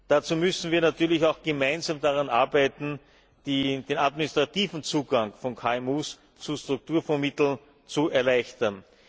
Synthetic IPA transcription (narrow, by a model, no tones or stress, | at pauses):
d̥at͡suːmʏsn̩viːɐnatyːɐlɪçaʊxɡ̥əmæɪnzaːmdaʁanʔa̰ɐbæɪtn̩ | d̥id̥eːnadmɪnɪstʁ̥atiːvn̩t͡suːɡaŋfɔnkʰaːɛmuːs | t͡sustʁ̥ʊk̚tuːɐfɛɐmɪt̪l̩n | t͡suɛɐlæɪçtɐn